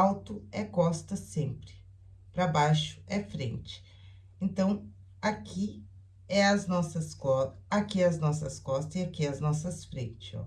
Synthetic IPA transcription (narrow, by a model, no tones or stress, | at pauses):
awt̪ʊɛkɔst̪ɐsẽmpɾɪ̥ | pɾɐbajʃʊ̥ʔɛfɾḛ̃nt͡ʃɪ̥ | ẽnt̪ɐ̃w̃ | akʰi | ɛɐznɔsɐskɔakiɛɐznɔsɐskɔst̪ɐɪakiɛɐznɔsɐsfɾḛ̃nt͡ʃɪ̥zɔ̰